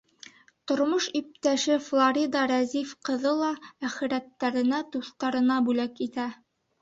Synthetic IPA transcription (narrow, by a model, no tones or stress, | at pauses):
t̪ŏɾmoʃip̚t̪æʃɘflˠoɾʲid̪ɑɾæzifqɤ̆ðɤlˠɑæχɘ̆ɾæt̪ːæɾɘ̆næt̪uθt̪ɑɾɤ̆nɑbʉlækit̪æ